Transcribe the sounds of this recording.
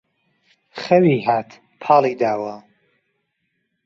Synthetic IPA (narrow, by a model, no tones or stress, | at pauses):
χɐwiːɦaːt̪ʰ | pʰɑːliːd̪aːwɐ